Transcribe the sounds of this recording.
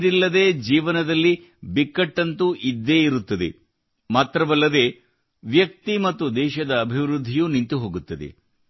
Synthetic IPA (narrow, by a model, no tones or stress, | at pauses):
ɾilːɐd̪e̞ːd͡ʒiːʋɐnɐd̪ɐlːi | bikːɐʈːɐnt̪uʔid̪ːeːiɾut̪ːɐd̪ḛ | maːt̪ɾɐʋɐlːɐd̪e̞ː | ʋjɐk̚t̪imɐt̪ːud̪ɛːʃɐd̪ɐːbʱiʋɾud̪ʱːijunint̪uɦo̞ːɡut̪ːɐd̪ḛ